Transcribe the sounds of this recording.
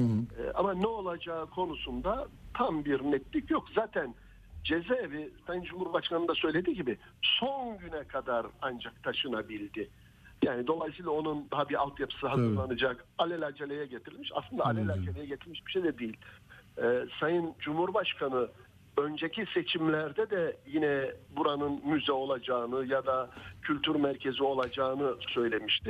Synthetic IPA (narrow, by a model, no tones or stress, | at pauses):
ɛ̰ʔamanɛo̞lˠad͡ʒaːɯkʰo̞nusund̪at̪ʰambiɾnɛt̪lʲicjokzaːt̪ʰæn | d͡ʒezevisajɯnd͡ʒumhuɾbaʃkʰanɯnd̪asø̞jlʲe̞d̪iɟibɪ | sonɟynɛkʰad̪aɾand͡ʒak̚t̪ʰaʃɯnabilʲd̪ɪ | jaːnid̪o̞lˠajsiːlˠao̞nund̪aɦabiɾa̰lˠt̪japʰɯ̥sɯɦazɯɾlˠanɯd͡ʒakalʲɛlʲad͡ʒʰelʲejɛɟet̪ʰiɾilʲmiʃa̰slˠɯnd̪aːlʲɛlʲad͡ʒʰelʲejɛɟet̪ʰiɾmiʃbi̥ʃejd̪ɛd̪ijilʲɛːsajɯnd͡ʒumhuɾbaʃkʰanɯ | ø̞nd͡ʒecʰise̞t͡ʃʰimlʲæɾd̪ɛd̪ɛjinɛbuɾanɯnmyzɛo̞lˠad͡ʒaːɯnɯjad̪acʰylʲt̪ʰyɾmæɾcʰe̞zio̞lˠad͡ʒaːɯnɯsø̞jlʲe̞miʃt̪i